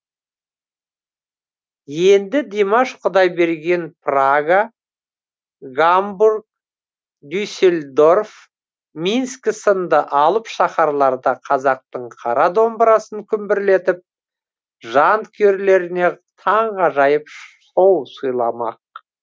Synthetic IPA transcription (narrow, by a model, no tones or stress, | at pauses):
je̞nd̪ɪd̪emaʃqʰʊd̪ɑjbe̞ɾɡʲe̞npraɡa | ɡamburk̚ | d̪ʲyjselʲd̪o̞rf | minskʲsənd̪əʔɑlˠəpʃɑχɑɾlˠɑɾd̪ɑqʰɑzɑq̚t̪əɴqʰɑɾɑd̪o̞mbəɾɑsəŋkʲʰʏmbɪɾle̞t̪ɪp̚ | ʒɑnt̪kʲʰeɾle̞ɾɪne̞ | t̪ʰɑɴʁɑʒɑjəpso̞wsujlˠɑmɑ̰q̚